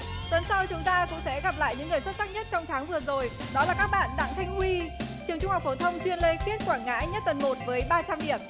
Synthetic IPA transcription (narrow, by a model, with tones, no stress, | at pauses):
t̪ə˨˦nsa˧wt͡ɕʊ˨˦ŋ͡mt̪aː˧kʊ̰˧˥ŋ͡msɛ̰˧˥ɣa˨˩p̚la̰ː˧˨jɲɨ̰˧˥ŋːɨ˨˩əjswə˦˥t̚sa˦˥k̚ɲə˦˥t̚t͡ɕɔ˧wŋ͡mt̪ʰaː˨˦ŋvɨ˨˩əzo˨˩jɗɔ˨˦laː˨˩kaː˦˥k̚ɓa̰ː˧˨nɗa̰˧˨ŋt̪ʰa˧jŋ̟hwi˧t͡ɕɨ˨˩əŋt͡ɕʊ˧ŋ͡mhk͡p̚fo˧˩t̪ʰə˧wŋ͡mt͡ɕwi˧ənle˧ki˦˥ət̚kwaː˧˩ŋa̰ː˧˥ɲə˦˥t̚t̪ə˨˩nmo˨˩t̚vəː˨˦jɓaː˧t͡ɕa˧mɗi˧˩əm